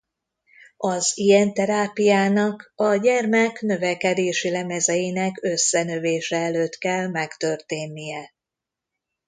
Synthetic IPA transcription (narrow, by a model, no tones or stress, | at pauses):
ɒzijɛnt̪ɛɾaːpijaːnɒkɒɟɛrmɛkn̪ø̞vɛkɛd̪eːʃilɛmɛzɛjinɛkø̞sːɛnøveːʃɛɛløːt̪kɛlmɛkt̪ø̞rt̪eːnːijɛ